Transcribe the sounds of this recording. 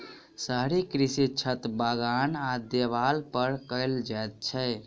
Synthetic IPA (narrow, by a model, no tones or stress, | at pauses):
səɦɾikɾisit͡ʃʰət̪baɡanad̪eβalpəɾkəɪld͡ʒajt̪̚t͡ʃʰə